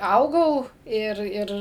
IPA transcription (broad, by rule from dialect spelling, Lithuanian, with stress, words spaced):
ˈɐʊɡɐʊ ˈɪr ˈɪr